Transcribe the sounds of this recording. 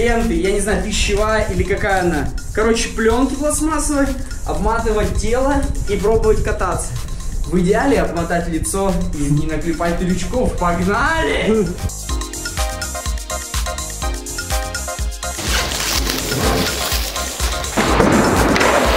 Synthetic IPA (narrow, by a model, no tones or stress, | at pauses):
ent̪ɨjanʲɪznaʊpʲɪɕːɪvajəʔilʲɪkɐkajəɐnakɐɾo̞t͡ɕɪ̥plʲonkʲɪplˠɐsmasɨvətʲ | ɐ̰bmat̪ɨvət̚ʲtʲːe̞lˠəip̬ɾo̞bəvətʲkɐt̪at̪sə̥vɨdʲɪalʲɪɐbmɐt̪atʲlʲɪt̪so̞inʲɪnəklʲɪpat̚ʲt̪ɪlʲʊt͡ɕkofpɐɡnalʲɪ